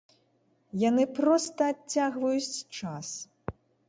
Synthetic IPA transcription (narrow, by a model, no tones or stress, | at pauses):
janɨpɾɔst̪ɐːt͡sʲːaɣvɐjut͡sʲt͡ʂas